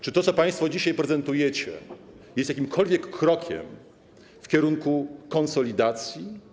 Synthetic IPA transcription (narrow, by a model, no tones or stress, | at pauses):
t͡ʂɘt̪ɔt̪sɔpaj̃st̪fɔd͡ʑiɕajpɾɛzɛnt̪ujɛt͡ɕɛ̰ | jɛst̪jak̬ʲimkʰɔlvʲjɛkːɾɔkʲɛ̰m | fkʲɛɾuŋkukɔnsɔlʲid̪at̪sʲji